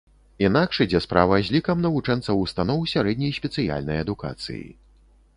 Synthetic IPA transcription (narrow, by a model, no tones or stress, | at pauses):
inakʂɨd͡zʲɛspɾavɐzʲlʲikɐmnɐvut͡ʂɛnt̪sɐwust̪anɔwsʲaɾɛd̪ʲnʲɐjsʲpʲɛt̪sɨja̰lʲnɐjɐd̪uka̰t̪sɨ̰jḭ